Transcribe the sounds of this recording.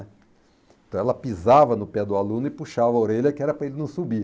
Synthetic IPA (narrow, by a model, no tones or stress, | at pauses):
ɛ̃ | t̪ɐ̃w̃ɛlɐpizavɐnʊpɛd̪ʊalũnʊɪpuʃavɐoɾeʎɐkɪɛɾɐpɾɐelɪnɐ̃w̃subi